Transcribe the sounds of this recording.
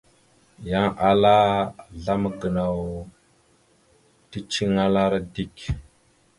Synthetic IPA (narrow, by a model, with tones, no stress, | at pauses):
ja˦ŋʔa˦la˦ɮa˦m˨ɡə˨na˨w | ti˦t͡ʃi˦ŋa˦la˦ɾa˦di˦k